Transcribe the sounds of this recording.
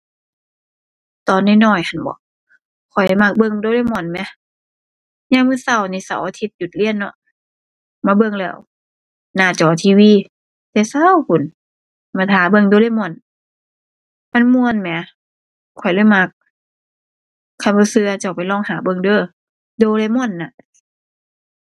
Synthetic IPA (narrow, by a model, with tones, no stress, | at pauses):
t̪ɔː˧˩nːaː˧˩˨nɔː˧˩jhʰa˧˩nbɔ̰ː˧˦ | kʰɔ˨˩jla˧˩jma˧˩k̚bɤ˧˨ŋdoː˧˦lːjmu˧˩ə˨nmɛ˧˦ | ɲaː˧ŋmɯː˧˥˨sa˧˩˨wniː˧˩sa˧˩wʔa˧t̪ʰi˧˦t̪̚ju˧t̪̚li˧˥ə˨nːɔ̰˧˦ʔ | maː˧˦bɤ˧˨ŋlɛː˧˩˨w | naː˧˩t͡ɕɔː˨˩t̪ʰiː˧˨wiː˧˥˨ | t̪ɛː˧sa˧˨wkʰu˨˦n | maː˧˩t̪ʰaː˨˦bɤ˧˨ŋdoː˧˦le˧˨jmɔ˧˩˨n | ma˧˥˨nmu˧ənmɛ˨˦ | kʰːɔ˨˩jlɤː˧˥˨jma˧˥k̚ | a˧˩jbɔ˧˦sɯ˧a˧t͡ɕa˧˩wpa˨jlɔː˧˩˨ŋhaː˨˦bɤ˧˨ŋdɤː˧˨ | doː˧˦le˧˨mɔ˧˩˨nːa˧˨